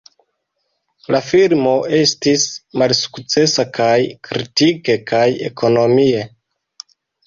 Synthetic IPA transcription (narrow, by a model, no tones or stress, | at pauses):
lafiɾmo̞ʔe̞stismalsu̥kt͡se̞sakajkɾitike̞kaje̞̰kʰo̞no̞mie̞